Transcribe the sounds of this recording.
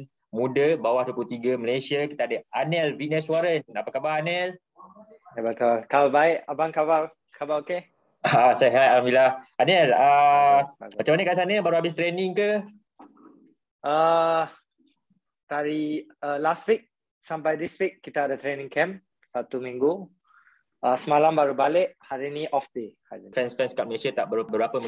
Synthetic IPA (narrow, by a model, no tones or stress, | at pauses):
mũdəbawahduəput̪iɡaməlesiaki̥t̪aadəanɛlvinɛsuaɾənapakabaɦanɛl | batɔalkababaɪʔabaŋkaba | kabaoke | aasəɦajalambilaanɛlə | mat͡ʃamanəʔkasanəbaɾuabɪs̬t̪ɾeniŋkə | ʔə | t̪aɾiəlast̚wik̚ | sampajdiswikːit̪aːdat̪ɾenĩŋkɛ̃m | sat̪umĩŋɡu | əsəmalambaɾubalɪʔhaɾinĩʔɔfdekafɛnsfɛnskap̚məlesat̪aʔbəbəbapəm